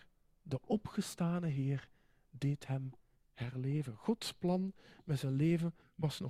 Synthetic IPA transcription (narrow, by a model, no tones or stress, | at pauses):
dəʔɔpχəstaːnəɦɪːr | deːtɦɛm | hɛrleːvənχɔtsplɑnmɛtzɛnleːvən | ʋɑsnɔ